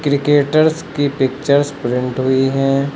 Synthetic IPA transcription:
kɾɪkeːʈəɾskipɪk̚t͡ʃəɾspɾɪ̃ɳʈɦʊiɦɛ̃ː

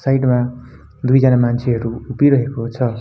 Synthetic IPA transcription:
sajʈma | d̪ujd͡zʌnamant͡sʰeɦʌɾuupiɾʌɦekot͡sʰʌ

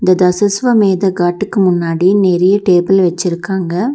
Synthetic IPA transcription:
ɪnd̪ɐd̪ɐsɐsʋɐmeːðɐɡaːʈːɯkːɯmʊnːaːɽinɛɾɛjɐʈeːbɪlʋɐt͡ʃːɪɾɯkːaːŋɡɐ

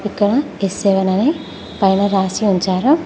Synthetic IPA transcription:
ikːɐɽɐ | eseʋɐnɐne | pɐjnɐɾaːsiuɲt͡ʃaːɾɐ

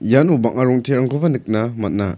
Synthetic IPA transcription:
janubaŋaɾɔŋtʰeɾaŋkʰobɐnɯk̚nɐmɐt̚nɐ̰

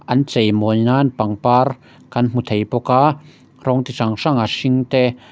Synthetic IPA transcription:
ʔɐnt͡sejmɔjnaːnpaŋpaːr | kɐnm̥ut̪ʰejpɔkaː | rɔŋt̪isaŋʂaŋasiŋt̪ɛː

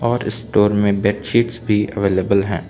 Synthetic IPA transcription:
ɔːɾɪ̰sʈoːɾmẽbɛʈʃiːʈsbʱiʔəʋeːleːbəlɦɛ̰̃ː

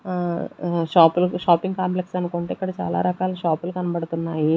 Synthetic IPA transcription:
ʂaːpuluʃaːpiŋɡkaːmple̞ksɐnukuɳʈeːikːɐɽɐt͡ʃa̰ːla̰ːɾɐkaːlɐʃaːpulukɐnɐbɐɽt̪unːaːji

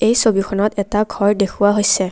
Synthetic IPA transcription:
ejsobikʰɔnɔtɛtaɡʱɔɹdekʰuwaɦojsɛ

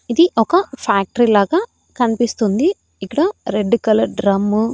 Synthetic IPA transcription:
id̪iʔɔkɐpʰaːk̚ʈɐɾilaːɡaː | kɐnipist̪und̪i | ikːɐɽɐɾeɖːukɐlɐɾɖɾɐmːu

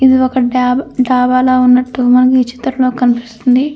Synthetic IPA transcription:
id̪iɔkɐaɖaːbaːloːunːɐʈːumɐnɐkit͡ʃːi̥t̪ɾɐlo̞ːkɐnipi̥st̪und̪i

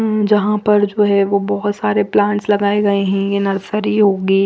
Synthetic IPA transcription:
ɦd͡ʒɐɦãpɐɾd͡ʒoːɦɛʋobɔɦʊt̪saːɾeplãːɳʈslɐɡaːeɡɐeɦɛ̃jenɐɾsəɾiɦoːɡiː

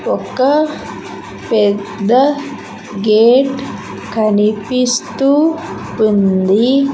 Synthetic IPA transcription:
ɔkɐ | pɛd̪ːɐ | ɡeːʈ | kɐnipist̪upund̪i

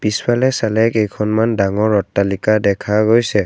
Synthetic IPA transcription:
piswalɛsalɛkɛjkʰɔnmandaŋɔɹɔtːalikadɛkʰaɡojsɛ

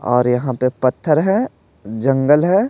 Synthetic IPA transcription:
ɔ̰ːɾjɐɦãpepɐt̪ʰːəɾɦɛ̃ | d͡ʒɐ̃ŋɡəlɦɛː

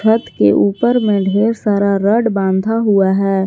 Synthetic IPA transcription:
ət̪keʔuːpəɾmẽɖʱeːɾsaːɾaɾəɖbãːnd̪ʱaɦuaɦɛː

